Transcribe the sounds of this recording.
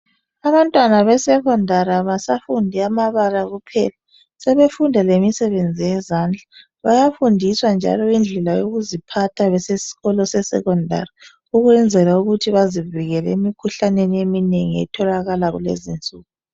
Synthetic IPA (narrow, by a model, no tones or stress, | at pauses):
aβantʼwanaβɛsɛɣɔndʱaɾaβasafundʱiamaβalaɣupʰɛ̰la | sɛβefundʱalemisɛβend͡zʱijɛzand͡ɮʱa | βajafundʱiswand͡ʒʱa̰lɔind͡ɮʱɛlajoɣuzipʰatʰaβɛsesi̥ɣɔlɔsɛsɛ̰ɣɔndʱa̰ri | uɣwɛnd͡zʱɛlauɣutʰiβaziviɣɛlɛimikʰuɬaneniemineŋiɛ̰tʰɔlaɣalaɣṵlḛzint͡sʼuːɣu